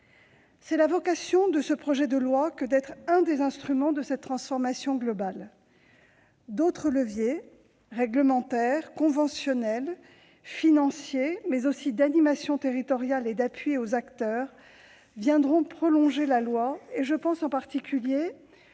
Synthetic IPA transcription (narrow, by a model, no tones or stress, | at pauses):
sɛlavɔkasjɔ̃d̪əsəpχɔʒɛd̪əlwakəd̪ɛt̪χɛ̃d̪ezɛ̃st̪χymɑ̃d̪əsɛt̪ːχɑ̃sfɔʁmasjɔ̃ɡlɔbal | d̪ot̪χələvje | ʁɛɡləmɑ̃t̪ɛʁkɔ̃vɑ̃sjɔnɛl | finɑ̃sjemɛzosid̪animasjɔ̃t̪eʁit̪ɔʁjaled̪apɥiozakt̪œːʁ | vjɛ̃d̪ʁɔ̃pχɔlɔ̃ʒelalwaeʒəpɑ̃sɑ̃paʁt̪ikʲylje